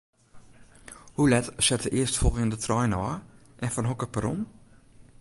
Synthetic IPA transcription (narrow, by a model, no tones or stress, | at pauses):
hulɛtsɛtəʔɪəstfɔlˠɣɪndətrɔjnɔː | ʔɛnfɔnɦɔkəpəɾɔ̰n